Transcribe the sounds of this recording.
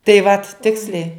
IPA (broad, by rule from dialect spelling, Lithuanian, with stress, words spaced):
tɐɪ ʋɐt ˈtʲɪksʲlʲɛɪ